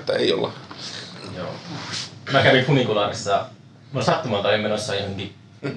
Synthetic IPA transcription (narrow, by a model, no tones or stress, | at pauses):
t̪ːæ̰ḛijo̰lːɑ̰ | jo̰ː | mækæʋikunikulɑːrisːɑ | mosɑt̪ːumɑlt̪ɑimmenosːɑihoŋɡi